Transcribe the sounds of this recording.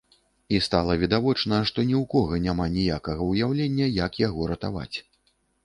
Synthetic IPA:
ist̪alˠɐvʲid̪avɔt͡ʂnɐʂt̪ɔnʲiwkɔɣɐnʲamanʲijakɐɣɐwjawlʲenʲːɐjɐkjaɣɔɾɐt̪a̰va̰t͡sʲ

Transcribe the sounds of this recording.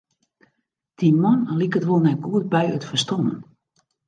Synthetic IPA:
d̥imɔnlikətʋolˠnɛt̚ɡuət̚bɛjətfərstomə̰n

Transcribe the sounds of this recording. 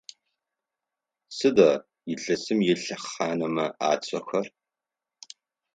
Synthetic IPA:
sɨdɐ | jɪɮɐsɨmjɪɬɐχaːnɐmɐaːt͡sʷʰʼɐxʷɐr

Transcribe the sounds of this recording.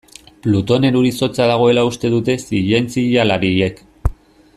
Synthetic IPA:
plut̪o̞ne̞ɾuɾiso̞t͡saðaɣ̞o̞e̞laust̪e̞ðut̪e̞siʎe̞nt͡siʎalaɾiek

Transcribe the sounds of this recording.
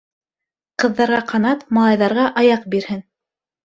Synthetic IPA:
qɤ̆ðːɑɾʁɑqɑnɑt̪mɑlˠɑjðɑɾʁɑʔɑjɑq̚biɾhɘn

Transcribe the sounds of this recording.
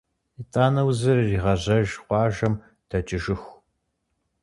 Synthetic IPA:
itʼaːnɐwzɨrːiːʁɐʑɐʒqʷɑːʒɐm | dʰɐt͡ʃʼɪʒɪx

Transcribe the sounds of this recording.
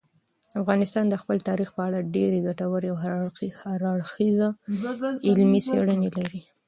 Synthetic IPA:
afɣɑnɪst̪ɑnd̪əxpəlt̪ɑɾixpəaɽaɖeɾeɡaʈawəɾeawɦahaɾɑɽxiza | ɪlmiseɽənelaɾi

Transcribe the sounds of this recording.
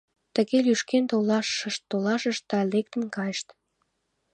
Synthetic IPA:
t̪əɣelyʃkent̪olɑʃʃəʃt̪ːolɑʃəʃt̪ːɑlek̚t̪ə̆nkɑjəʃt̪

